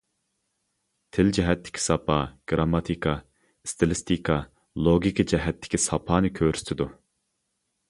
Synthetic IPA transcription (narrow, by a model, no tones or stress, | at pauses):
t̪ʰɪld͡ʒɛɦɛt̪ʰːɪ̥kʲʰi̥sɑpʰɑɡ̥ɾɑmːɑt̪ʰikʰɑ | st̪ʰɨlˠɪst̪ʰikʰɑ | lˠoɡʲikʰid͡ʒɛɦɛt̪ʰːɪ̥kʲisɑpʰɑːnɨkʲʰøɾy̥st̪ɪd̪u